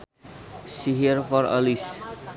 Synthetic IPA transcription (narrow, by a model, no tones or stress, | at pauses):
siɦiɾfɔɾʌ̰lis